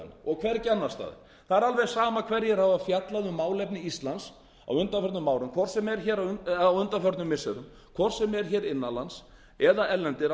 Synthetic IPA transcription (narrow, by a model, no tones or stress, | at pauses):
nɔɣkʰvɛrcɛnːast̪a̰ːðɪ̰ | θaðɛɾalvɛɣsaːmakʰvɛɾjɛɾhavafjat̪laðʏmaːwlɛpnɪist̪lans | a̰wʏnt̪afœɾt̪nʏmaːwɾʏmkʰvɔr̥sɛmɛɾçɛːɾawʏnt̪afœɾt̪nʏmːɪsɛɾʏm | kʰvɔr̥sɛmɛɾ̥çɛːɾɪnːalans | ɛðaɛlːɛnt̪ɪɾ